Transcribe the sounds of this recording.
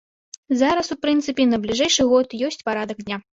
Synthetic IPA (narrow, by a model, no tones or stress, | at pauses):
zaɾɐsupɾɨnt̪sɨpʲinɐblʲiʐɛjʂɨɣɔt̪jɔsʲt͡sʲpaɾad̪ɐkd̪ʲnʲa